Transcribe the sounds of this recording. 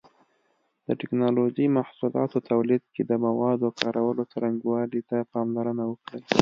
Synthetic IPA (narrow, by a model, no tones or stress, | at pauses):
d̪̥əʈɪknɑlod͡ʒimahsulɑ̰t̪ot̪awlid̪̚ked̪əmawɑd̪okʰɑɾawəlot͡saɾaŋɡwɑɽit̪apɑmlaɾənawəkɽəl